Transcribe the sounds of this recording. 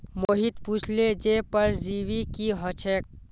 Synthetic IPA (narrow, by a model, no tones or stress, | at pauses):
moɦit̪puːt͡ʃʰled͡ʒepəɾd͡ʒiʋikiɦət͡ʃʰeːk̚